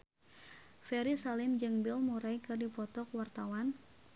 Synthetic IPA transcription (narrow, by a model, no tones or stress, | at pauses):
fɛɾisalɪmd͡ʒɨŋbilmuɾajkɨrdipɔt̪ɔkwart̪awan